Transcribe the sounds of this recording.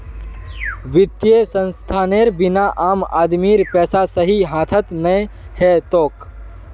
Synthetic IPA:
ʋɪt̪jesə̃nst̪ʰaːneɾbɪnaʔaːmaːd̪miːɾpɛːsasəɦiɦãːt̪ʰət̪nəehɛt̪oːk

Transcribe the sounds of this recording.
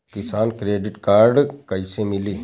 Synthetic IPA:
kɪsaːnkɾeːɖɪʈkaːɾɖkəɪsemɪliː

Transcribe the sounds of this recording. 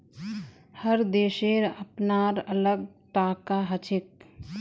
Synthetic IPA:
həɾd̪eːʃeɾəpnaːɾələɡʈaːkaɦət͡ʃʰɪk̚

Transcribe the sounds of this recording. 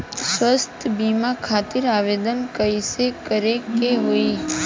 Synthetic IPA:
sʋəst̪ʰbimakʰat̪iɾaʋed̪ənkəjsekəɾekeɦoi

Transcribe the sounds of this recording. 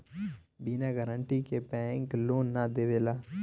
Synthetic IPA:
biːnaːɡəɾəɳʈiːkepɛ̃ːŋkloːnːaːd̪eːʋeːlaː

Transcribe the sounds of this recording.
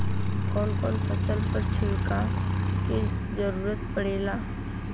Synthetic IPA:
kɔnkɔ̰ːnpʰəsəlpəɾt͡ʃʰɪɾkaked͡ʒəɾuːɾət̪pəɽela

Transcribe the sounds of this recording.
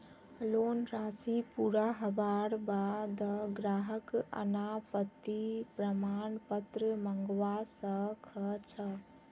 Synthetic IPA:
lonɾaːsipuɾaɦəbaɾbad̪ɡɾaːɦəkə̰napət̪ːipɾəmaːnpət̪ɾəməŋɡʋasə̃kʰət͡ʃʰə

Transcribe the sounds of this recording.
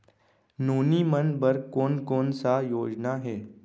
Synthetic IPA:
nuːnimənbəɾkoːnkoːnsajoːd͡ʒnaɦɛː

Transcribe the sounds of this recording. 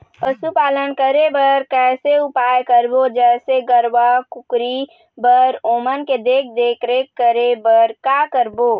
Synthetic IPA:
pəsupaːlənkəɾebəɾkɛːseupajkəɾbod͡ʒɛːseɡəɾʋakukɾi | bəɾoːmənked̪eːk̚ʰd̪eːkʰɾekəɾebəɾkakəɾbo

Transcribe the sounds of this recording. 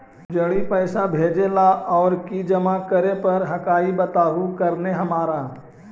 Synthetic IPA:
d͡ʒɐɽipəɪsabʱeːd͡ʒelaɔːɾkid͡ʒəmakəɾepɐɾɦɐkaːibət̪aːɦukɐɾneɦɐmaːɾa

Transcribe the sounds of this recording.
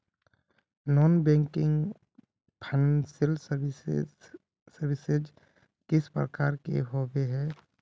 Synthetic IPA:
nɔːnbɛ̃ŋkɪ̃ŋɡ | pʰanənsɪlsə | səɾʋɪsed͡ʒ | kɪspɾəkaːɾkḛɦobeɦɛː

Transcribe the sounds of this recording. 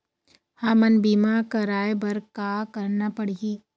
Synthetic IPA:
hãːmɐnbiːmakɐɾaːebɐɾkakɐɾnapɐɽiː

